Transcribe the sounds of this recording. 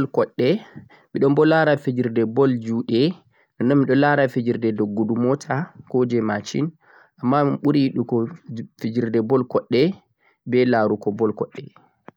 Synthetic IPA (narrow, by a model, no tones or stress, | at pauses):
lkɔɗːɛ | ɓiɗɔmbɔlaɾafid͡ʒiɾdɛbɔld͡ʒuɗɛ | ɗɔnːɔmːiɗɔlaɾafed͡ʒiɾdɛdɔɡːudumɔtʰakod͡ʒɛmat͡ʃḭn | ʔamːaɓuɾiɗukɔfid͡ʒiɾdɛbɔlkɔɗːɛ | bɛlaːɾukɔbɔlkɔɗːɛ